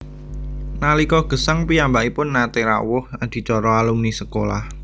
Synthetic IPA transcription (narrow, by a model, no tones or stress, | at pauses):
nalikɔhɡ̥ə̤saŋpiambaʔipʊnːat̪eɾa̰wʊhad̪̥i̤t͡ʃɔɾɔalumnisəkola̰h